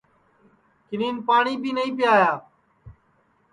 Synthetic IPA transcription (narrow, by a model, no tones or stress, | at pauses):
kɪniːnpaːɳiːbiːnəĩːpɪjaːjaː